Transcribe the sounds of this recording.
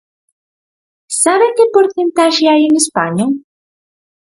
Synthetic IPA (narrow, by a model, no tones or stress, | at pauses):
saβekepoɾθent̪aʒeajeŋespaɲo